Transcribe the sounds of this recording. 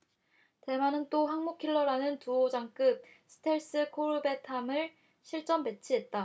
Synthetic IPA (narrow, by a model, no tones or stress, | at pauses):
te̞manɯnt͈oɦaŋmukʰiɭːʌɾanɯntuod͡ʑaŋk͈ɯp̚ | sʰɯ̥tʰe̞ɭs͈ɯkʰoɾɯbe̞tʰamɯɭ | ɕʰiɭt͡ɕ͈ʌmpe̞t͡ɕʰiɦe̞t̚t͈a